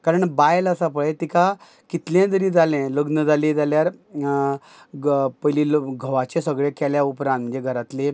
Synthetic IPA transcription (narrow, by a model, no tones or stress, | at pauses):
kaɾəɳbajlasapəɭẽt̪ika | kit̪ljãd̪əɾid͡zalɛ̃ləɡnəd͡zalẽd͡zaljaɾ | pəjlilɡʱəʋat͡ɕẽsəɡɭẽkɛljaupɾãnt̪̚mənd͡zd͡ʑeɡʱəɾat̪le